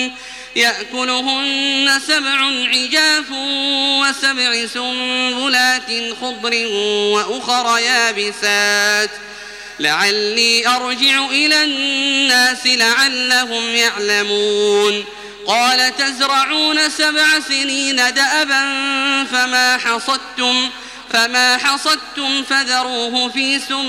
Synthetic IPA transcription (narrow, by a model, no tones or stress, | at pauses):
jaʔkʊlʊɦʊnːasabʕʊnʕɪd͡ʒaːfwasabʕɪsʊmbʊlaːt̪ɪnxʊd̪ˤɾɪnwaʔʊxɾˤɑjaːbɪsaːt̪ | lɪʕalːiːʔɑɾˤd͡ʒɪʕʊʔɪlaːnːaːsɪlaʕalːaɦʊmjaʕlamuːn | qɑːlat̪azɾˤɑʕuːnasabʕasɪniːnad̪aʔabanfamaːħɑsˤɑd̪̚t̪ʊm | famaːħɑsˤɑd̪̚t̪ʊmfad̪ɑɾˤuːɦʊfiːsʊm